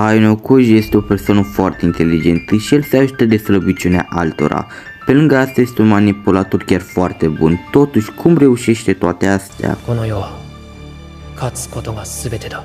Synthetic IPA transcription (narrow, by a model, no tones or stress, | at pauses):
ajnokuʒje̞st̪eo̞pe̞rsoanəfoart̪eint̪e̞lːid͡ʒe̞nt̪əʃielse̞aʒut̪əd̪e̞sləbit͡ʃunea̰ʔalt̪o̞̰ɾa̰ | pe̞lɨŋɡəast̪aje̞st̪eunmanipulat̪o̞rkʲarfoart̪e̞bunt̪o̞t̪uʃʲkʰumre̞uʃe̞ʃt̪e̞t̪oat̪e̞ast̪ea̰konojoa | kʰat͡sɨ̥ko̞t̪o̞ɡasɨbe̞t̪e̞d̪a